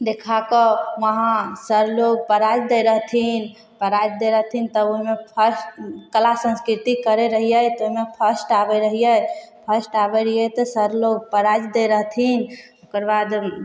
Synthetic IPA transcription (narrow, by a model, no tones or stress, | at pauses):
d̪ekʰakɔʋəɦãsəɾloɡpəɾad͡ʒd̪ɛɾəɦt̪ʰin | pəɾad͡ʒd̪eɾəɦt̪ʰint̪əoɦmepʰəsʈkəlasə̃nskɾit̪ikəɾeɾəɦijət̪ɔoɦmepʰəsʈabɛɾəɦijəpʰəsʈabɛɾəjɛt̪ɔsəɾloɡ̚pəɾad͡ʒd̪eɾəɦt̪ʰin | okəɾbad̪